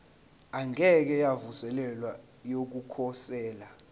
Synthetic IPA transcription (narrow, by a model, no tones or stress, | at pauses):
aŋɛk̬ɛjavusɛlɛlwa | jok̬ukʰɔsɛːla